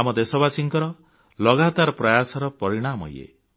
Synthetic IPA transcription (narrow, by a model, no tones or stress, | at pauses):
amɔd̪esɔbasiŋkɔɾɔ | lɔɡat̪aɾɔpɾɔjasɔɾɔpɔɾiɽ̃amɦɔ̰j̰ḛ